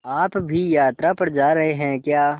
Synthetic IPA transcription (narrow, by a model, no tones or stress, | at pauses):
aːpbʱijaːt̪ɾapɐɾd͡ʒaːɾɐɦeɦɛ̃kjaː